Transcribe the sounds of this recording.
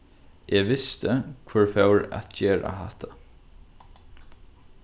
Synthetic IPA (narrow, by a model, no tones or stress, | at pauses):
ʔɛʋɪst̪əkʰvʊɹfɛwɹa̰t̪d͡ʒeːɹa̰ɦɛht̪ʰa